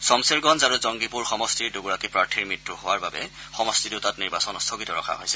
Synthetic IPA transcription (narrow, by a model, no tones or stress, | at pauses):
sɔmseɹɡɔnzaɹuzɔŋɡipuɹxɔmɔstiɹdoɡuɹakipɹaɹtʰiɹmitːuɦʊwaɹbabɛ̰xɔmɔstiduʊtatniɹbasɔnɔstʰɔɡitɔɹɔ̰kʰa̰ɦojsɛ